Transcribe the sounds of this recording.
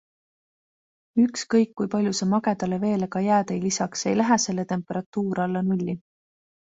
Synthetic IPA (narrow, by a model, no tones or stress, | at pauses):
ykskɤjkːujpɑlʲjusemɑɡe̞d̪ɑleve̞ːlekɑjæːt̪ejlisɑkse̞jlæɦese̞lːe̞t̪e̞mpˑeɾɑt̪ːˑuːɾɑlːenulʲːi